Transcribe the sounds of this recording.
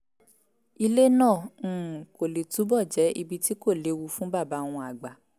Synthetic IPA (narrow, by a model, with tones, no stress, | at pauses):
i˧le˦nãː˦˨˦ko˨le˨tu˨˦bɔ˦˨d͡ʒɛ˨˦i˧bi˧ti˦ko˦˨le˨˦wu˧fũ˨˦ba˦˨ba˨˦˧w̃ɔ̃˧a˨ɡ͡ba˨